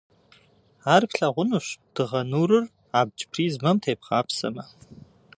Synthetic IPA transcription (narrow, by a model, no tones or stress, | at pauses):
aːrpɬɐʁʷʊnuɕd̥ɨʁɐnuːrɨr | aːb̚ʷd͡ʒʼpʰriːzmɐmtʰeːpχɑːpʰsɐ̰mɐ